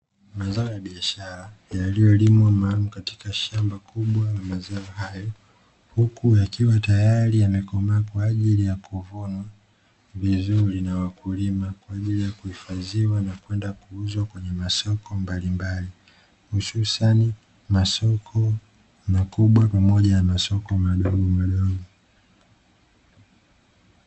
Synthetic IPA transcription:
mazaɔjaɓiaʃaɾajalijɔlimwamaːlumukati̥kaʃambakuɓwanamazaɔɦajɔ | hukujakiwatajaɾiamɛkɔmakwaːʄilijakuvunwa | vizuɾinawakulimakwaːʄilijakuhifaziwanakwɛndakuuzwakwɛɲɛmasɔkɔmbalimbali | hususani | masɔkʰɔ | makuɓwapamɔʄanamasɔkɔmaɗɔɠɔmaɗɔɡɔ

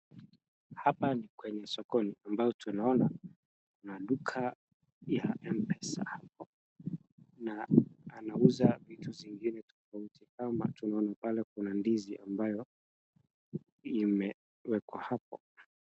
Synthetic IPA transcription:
hapanikwɛɲɛsɔkɔniambajɔtʰunaɔna | kunaɗukʰa | jaʔɛmpɛsa̰hap̚ɔ | naːnauzavituviŋɡinɛtɔfautʰikama̰tunaɔnapalɛkunandiziʔambajɔ | imɛ | wɛkwa̰hap̚ɔ̰

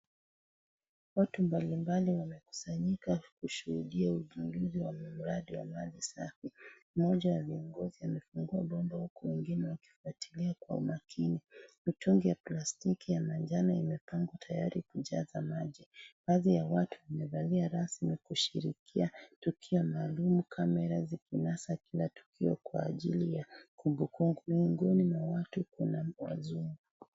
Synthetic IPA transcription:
watumbalimbaliwamɛku̥saɲikakuʃuhuɗiauʄuŋɡuziwamm̩ɾaɗiwamalisafi | mɔʄawaviɔŋɡɔziamɛfuŋɡuaɓɔmdahukɔwɛŋɡinɛwaki̥fuatʰiliakwa̰ṵmakʰinimituŋɡijaplastikijamand͡ʒanaimɛpaŋɡwatʰajaɾikuʄa̰zamaʄibaːðijawatuamɛvaliaɾasmikuʃḭɾḭkʰiatukʰiɔmaːlumukʰamɛɾazikinasakilatu̥kʰiɔ̰kwa̰ːʄilijakumbukuŋɡumiuŋɡɔnimwawatukunawa̰zuŋɡu

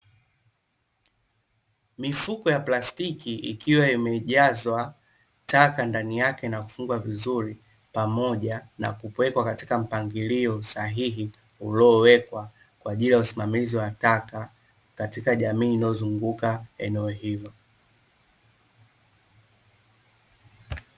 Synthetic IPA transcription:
mifukɔjaplastikiḭkʰiwaimɛʄazwa | takandanijakɛnaku̥fuŋɡwavizuɾi | pamɔʄana̰kupwɛkwakati̥kam̩paŋɡiliɔsaɦiɦi | ulɔːwɛkwa | kwaʄilijausimamiziwataka | katikaʄamiːnaɔzuŋɡukaɛnɛɔhilɔ

